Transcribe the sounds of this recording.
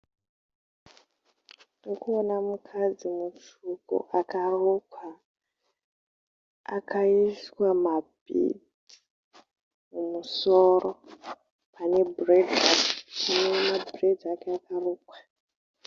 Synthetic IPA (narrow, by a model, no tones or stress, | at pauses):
nukuonamukʰad͡zimut͡ʃuko̰ʔakarukwa | a̰kʰaiswamabʱḭ | mumusoro | pane̞bredakpanemabrediakeakaruːkwḁ